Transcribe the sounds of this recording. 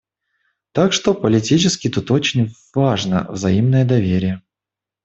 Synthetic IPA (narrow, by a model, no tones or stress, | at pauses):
t̪akʂt̪o̞pəlʲɪtʲit͡ɕɪskʲɪt̪ut̪o̞t͡ɕɪnʲvaʐnə̰vzɐimnəjəd̪ɐvʲeɾʲɪjə